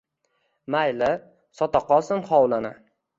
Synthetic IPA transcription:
majlɪ | sɒt̪ɒqɒsɪnχɒwlˠanɪ̰

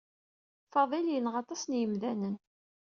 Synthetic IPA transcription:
fɑðˤiljənʁɑt̪ˤɑsnjəmðænən

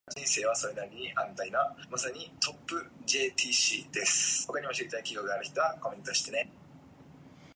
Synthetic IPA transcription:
d͡ʑĩɰ̃se̞ːβ̞aso̞ɾe̞d̪aɾʲiɲ̟iʔãnt̪aid̪amasaɲ̟it̪ʰo̞pːɯ̟d͡ʑe̞ːt̪iːɕḭːd̪e̞sɨ̥ho̞kaɲ̟io̞ɕiɾit̪aikʲiɡokɯɡaɾɯ̟çʲi̥t̪o̞βako̞mʲẽ̞nt̪oɕi̥t̪ene

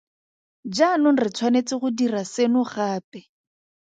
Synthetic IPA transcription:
d͡ʒanʊn̩rɪt͡sʰwanet͡sɪχʊdirasenʊχaːpɛ

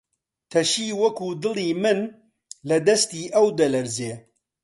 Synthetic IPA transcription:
t̪ʰɐʃiːwɐkuːd̪ɨlˠiːmɨn | lɐd̪ɐst̪iːʔɐwd̪ɐlɐɾzeː

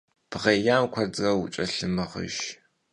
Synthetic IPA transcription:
b̥ʁejaːmkʷʰɐd͡zɐwʊ̰t͡ʃʼɐɬɨmɐχə̰ʃ

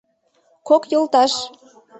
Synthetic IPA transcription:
kokjolt̪ɑʃ

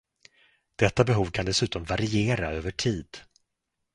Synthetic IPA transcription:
d̪̥ɛt̪ːabɛɦuːvkʰand̪ɛsʉ̟ːt̪ɔmvaɾɪeːɾaøːvəʈʰiːd̪

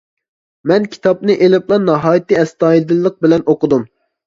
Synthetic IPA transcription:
mɛnkʲʰi̥t̪ʰɑp̚nɨʔelɪplˠɑnɑɦɑːjit̪ːiɛst̪ɑːjid̪ɨlˠːəq̚bɪlɛnoqʊd̪um

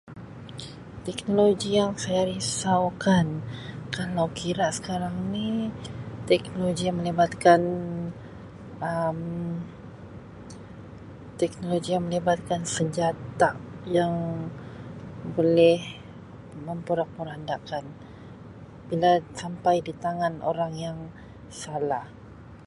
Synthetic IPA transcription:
t̪ɛknoloɡijaŋsajaɾisawkankalawkʰiɾaʔsə̥kaɾaŋni | t̪ɛk̚noloɡijaŋməlibat̪̚kan | əm | t̪ɛk̚noloɡijaŋməlibat̪̚kansəɲd͡ʒat̪ajaŋ | bolɛh | məmpəɾak̚pəɾandaʔkan | b̥ilasampajdit̪aŋano̰ɾaŋjaŋ | salah

